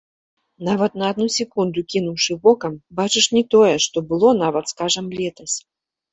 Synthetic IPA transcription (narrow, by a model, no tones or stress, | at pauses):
navɐt̪nɐːd̪nusʲɛkund̪ukʲinuwʂɨbɔkɐmbat͡ʂɨʂnʲɛt̪ɔjɛʂt̪ɔbɨlˠɔn̪avɐt̪skaʐɐmlʲɛt̪ɐsʲ